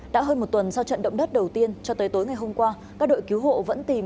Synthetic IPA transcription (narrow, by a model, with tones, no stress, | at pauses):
ɗa̰ː˧˥ɦəː˧nmo˨˩t̚t̪wə˨˩nsa˧wt͡ɕə̰˧˨nɗə̰˧˨ŋ͡mɗə˦˥t̚ɗə˨˩wt̪i˧ənt͡ɕɔ˧t̪əː˨˦jt̪o˨˦jŋa˨˩jɦo˧mkwaː˧kaː˦˥k̚ɗo̰˧˨jki˨˦wɦo̰˧˨və̰˧˥nt̪i˨˩m